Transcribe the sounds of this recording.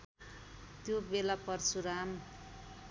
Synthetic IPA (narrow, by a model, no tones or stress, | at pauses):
t̪jobelapʌrt͡sʰuɾam